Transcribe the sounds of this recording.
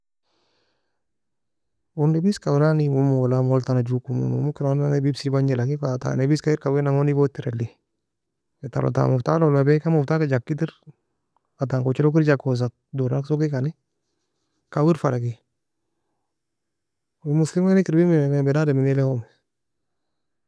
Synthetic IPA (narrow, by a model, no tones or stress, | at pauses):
wundebiskawɾanimumulamoltanad͡ʒukumṵnṵmukiɾonanebibsibaɲelakifata̰nebiskaiɾkawenaŋonibotiɾeli | eta̰lo̰ta̰muftalɔlmabɛkamuftakad͡ʒakːitiɾ | at̬aŋkot͡ʃilokiɾd͡ʒakos̬at̚doɾaksokikani | kawiɾfalaki | wumuslimanikiɾbimimɛbɛdademinilɛhomɛ